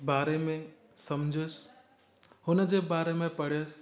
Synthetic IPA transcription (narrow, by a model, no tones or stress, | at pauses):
baːɾemẽ | sɐmd͡ʒʱəs | hʊnd͡ʒebaːɾemẽpəɽ̤es